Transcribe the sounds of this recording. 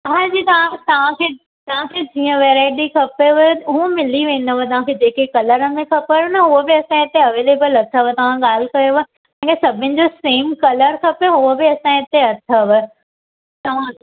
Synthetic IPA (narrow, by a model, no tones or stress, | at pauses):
ɐɦaːd͡ʑiːt̪ɐʋ̤ãt̪ɐʋ̤ãkʰeː | t̪ɐʋ̤ãkʰeːd͡ʑiːə̃ʋeːɾaːɪʈixʰɐpeʋ̪ɦũmɪliʋẽːnɐʋot̪ɐʋ̤ãkʰed͡ʑeːkekɐləɾəmẽxɐpəɾnɐɦʊəbɪɐsãɪt̪eɐʋeːleːbəlɐt̪ʰəʋət̪ɐʋ̤ãɠaːl̤ɪkɐjoʋ | ɛ̃ːkʰesɐbʱɪ̃nɪ̆d͡ʑoseːmkɐləɾxʰɐpoɦʊəbɪɐsãɪt̪eɐt̪ʰəʋə | t̪ɐʋ̤ã